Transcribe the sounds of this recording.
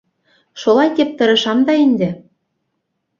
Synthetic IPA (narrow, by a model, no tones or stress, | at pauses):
ʃolɑjk̪ʲep̚t̪ɤ̆ɾɤ̆ʃɑmd̪ɑind̪ĕ